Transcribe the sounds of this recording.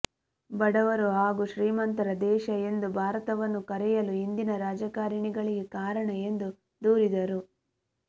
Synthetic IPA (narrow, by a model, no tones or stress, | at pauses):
bɐɽɐʋɐɾuɦaːɡuʃɾiːmɐnt̪ɐɾɐd̪ɛːʃɐe̞nd̪ubʱaːɾɐt̪ɐʋɐnːukɐɾɛjɐluind̪inɐɾaːd͡ʒɐkaːɾɐɳiɡɐɭiɡekaːɾɐɳɐe̞nd̪u | d̪uːɾid̪ɐɾu